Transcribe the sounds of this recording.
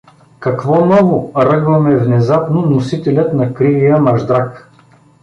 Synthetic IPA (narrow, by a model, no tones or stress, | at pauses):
kɐkvɔnɔvʊɾɤɡvɐmɛvnɛzapnonosit̪ɛlʲət̪nɐkɾivijəmɐʒd̪ɾak